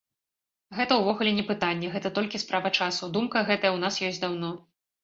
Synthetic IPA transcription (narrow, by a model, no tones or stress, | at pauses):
ɣɛt̪ɐwvɔɣulʲɛnʲɛpɨt̪anʲːɛɣɛt̪ɐt̪ɔlʲkʲispɾʔavɐt͡ʂasud̪umkɐɣɛt̪ɐjɛwnasjɔsʲd̪awnɔ